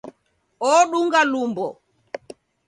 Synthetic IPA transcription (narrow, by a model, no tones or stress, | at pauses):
ɔɗuŋɡalumbɔ̰